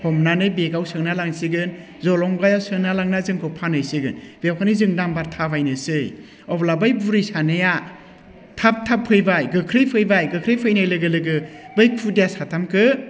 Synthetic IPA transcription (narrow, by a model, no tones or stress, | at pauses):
hɔmnanɯjbeɡawsɯŋnalaŋsiɡɯn | zɔlɔŋbajawsɯŋnalaŋnazɯŋkʰɯpʰanɯjsiɡɯnbewkʰanizɯŋdambaɾtʰabajnɯsɯj | ɔblabajbuɾijsanɯja | tʰap̚tʰapʰɯjbajɡɯkʰɾɯjpʰɯjbajɡɯkʰɾɯjpʰɯjnajlɯɡɯlɯɡɯbɯj̚pʰudijasatʰamkʰɯ